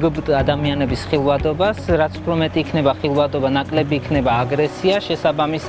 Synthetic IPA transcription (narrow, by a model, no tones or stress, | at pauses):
ɡb̪ad̪amianɛbisχilˠvad̪ɔbasɾat̪sʰu̥pʰɾɔmɛt̪ʼiːkʰnɛbaχilˠvad̪ɔbanakʼlɛbiːkʰnɛbaːɡɾɛsiaʃɛsabamis